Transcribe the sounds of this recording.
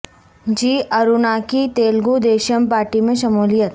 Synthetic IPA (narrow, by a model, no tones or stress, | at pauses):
d͡ʒiːʔɐɾunaːkit̪eːlɡud̪eːʃəmpaːɾʈimẽʃɐmuːlijət̪